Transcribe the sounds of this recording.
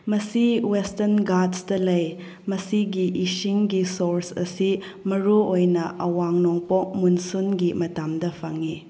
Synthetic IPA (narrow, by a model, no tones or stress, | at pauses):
mɐsiwestɐnɡadsdɐlɐj | mɐsiɡiʔisiŋɡisoɾsɐ̰si | mɐɾuojnɐʔɐwaŋnɔŋpok̚munsunɡimɐtamdɐpʰaŋi